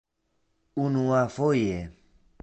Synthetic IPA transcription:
unuafoje

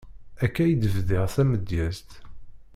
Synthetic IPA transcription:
ækːæjəd̪əvðɪʁθæməd̪jæst̪

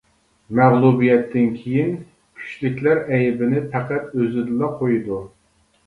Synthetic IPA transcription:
mæʁlˠubijɛt̪ʰːɪnkʲʰejin | kʲʰy̥ʃlɪkʲlæɾɛjɪbɪnɪpʰæqæt̪øzɪd̪ɪlɑqʰojud̪u

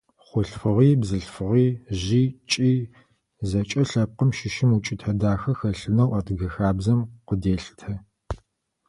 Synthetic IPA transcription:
χʷʊɬfɨʁiːbzɨɬfɨʁiːʑiːt͡ʃʼiː | zɐt͡ʃʼɐɬɐp̚qəmʃɪʃɪmut͡ʃʼɪtʰɐdaːxɐxɐɬɨnɐwɐtɡɐxaːbzɐmqʷədeːɬtʰɐ

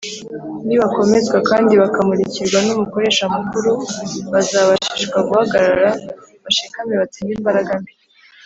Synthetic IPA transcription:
niβako̞me̞zɡwakaːndiβakamuɾiciɾɡwanumuko̞ɾe̞ːʃamukuɾuβazaβaʃiʃɡwaɡuhaɡaɾaɾaβaʃikameβat͡siɲimbaɾaɡambi

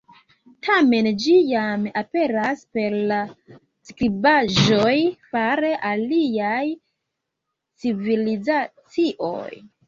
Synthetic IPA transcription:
tʰame̞nd͡ʒijamape̞ɾaspe̞ɾla | skɾibaʒo̞jfaɾe̞ʔaliaj | t͡sivilizat͡siʔo̰j

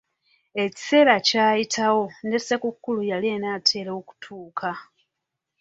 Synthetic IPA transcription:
e̞ci̥se̞ːɾacaːjitʰawo̞ne̞se̞kukːulujalienatʰe̞ːɾooku̥tʰuːkʰa

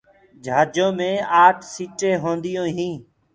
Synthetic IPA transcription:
d͡ʒʱaːd͡ʒõːmẽːaːʈʰsiːʈẽːɦõːnd̪ɪjõːɦĩː

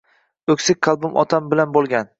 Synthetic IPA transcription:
ɵkʲsɪkʲqʰɑlˠbʊmʔɒ̰t̪ʰambɪlanbolˠɡʲan

